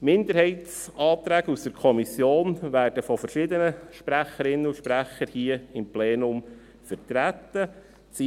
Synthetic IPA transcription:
mɪnd̪əɾhɛɪt̪sɑːt̪ɾæːɡəusd̥̪əɾkʰɔmisjoːnʋæːrd̥əfɔfərʃɪd̪ənəʃpɾæχəɾɪnːəuʃpɾæχəɾhiːəɪmpleːnʊm | fətɾæt̪ːə | t͡si

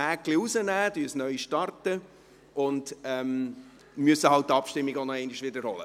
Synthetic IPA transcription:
ækliuzənæːd̪ysnœʏʃtɑrtə | ʔʊndɛm | myəsəhɑlt̚tːɑpʃtɪmːiɡonɔɛɪniʃʋɪdəɾhɔlə

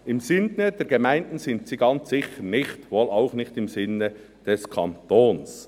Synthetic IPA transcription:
ɪmzɪnəd̥ɛɾɡ̥emæɪndn̩sɪntsiːɡɑnt͡sːɪçəɾnɪçtʋoːlaʊxnɪçtɪmzɪnːə | d̥ɛskʰɑnt̪oːns

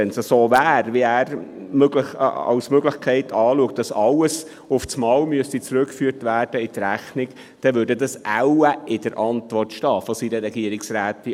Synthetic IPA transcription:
ɛnsəsoːvæːrviæːɾ | møɡlə̰ɑ̰wsmøɡlɪxkʰɛɪtʰɑːluək̚t̚dɑsɑləs | ʊfsmɑːwmyəstit͡sɾʉkːfyːɾtʋæːrd̥əɪt̪ɾæχnɪk | d̥ɛʋøːɾdədɑsʔæwəʔɪd̥əɾʔɑntʋɔrtʃtɑːfɔsiɾəɾɛɡiəɾɪksɾæːt̪i

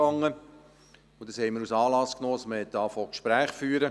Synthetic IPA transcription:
ɑŋːə | ʊd̥ɑshɛɪməɾusɑːlɑsknoːsməhɛt̚d̥ɑːfokʃpɾæːχfyːɾə

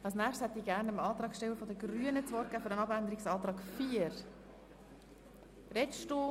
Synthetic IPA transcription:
ɑlsnæːχshɛt̪ːiːɡæɾnəmɑːt̪ɾɑːkʃtɛwəfɔd̪əɡɾyənət͡sʋɔɾt̚kæːfʏɾənɑbænd̪əɾiksɑːt̪ɾɑːkfiːəɾ | rɛʃto

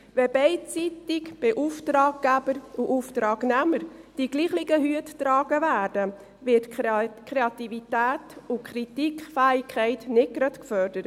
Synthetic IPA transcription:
vɛbɛɪt͡sitɪkb̥ɛʔuftɾɑːɡ̚ɡæb̥əɾuʔuft̪ɾɑːɡ̥nɛməɾd̥iɡliːχlɪɡəɦyəttɾɑːɡ̥əvæːɾd̥ə | vɪtkʰɾeɑt̪ivit̪æːtʊkʰχɾitikχfæɪkʰχɛɪtnɪt̚ɡɾɑtkfœɾdəɾ

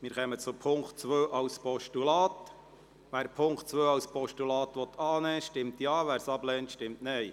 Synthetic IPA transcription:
mɪːɾχɛmət͡sʊpʰʊŋktt͡sʋøːʔɑwspʰɔʃtulɑːt̪ | ʋæːɾpʰʊŋktt͡sʋøːɑwspʰɔʃtulɑːt̪ʋɔt̪ʰɑːnɛːʃtɪmt̪jɑːʋæːɾsɑblɛːntʃtɪmtnɛɪ

